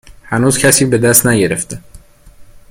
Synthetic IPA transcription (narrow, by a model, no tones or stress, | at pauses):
hænuːzcʰæsiːbe̞d̪æst̪næɟe̞ɾeft̪e